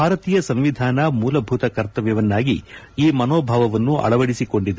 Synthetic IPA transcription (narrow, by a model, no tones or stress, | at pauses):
bʱaːɾɐt̪iːjɐsɐmʋid̪ʱaːnɐmuːlɐbʱuːt̪ɐkɐɾt̪ɐʋjɐʋɐnːaːɡi | iːmɐnoːbʱaːʋɐʋɐnːuʔɐ̰ɭɐʋɐɽisiko̞ɳɖid̪e